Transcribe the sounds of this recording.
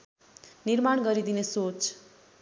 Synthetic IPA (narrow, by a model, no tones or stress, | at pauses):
nirmaɳ̃ɡʌɾid̪inesot͡s